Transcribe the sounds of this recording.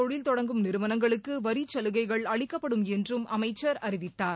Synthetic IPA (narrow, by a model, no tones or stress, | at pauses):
ɔɻɪlt̪ɔɽɐŋɡɯmnɪɾɯʋɐnɐŋɡɐɭɯkːɯʋɐɾit͡ʃɐlɯɣɐɪɣɐɭɐɭɪkːɐpːɐɽɯmɛndrɯmɐmɐɪt͡ʃːɐɾɐɾɪʋɪt̪ːaːɾ